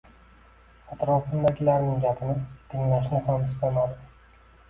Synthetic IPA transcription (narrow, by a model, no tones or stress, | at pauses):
at̪ɾɒfɪnd̪aɡʲɪlaɾnɪŋɡʲapʰɪnɪt̪ʰɪŋlaʃ̬nɪhamɪst̪analˠd̪ɪ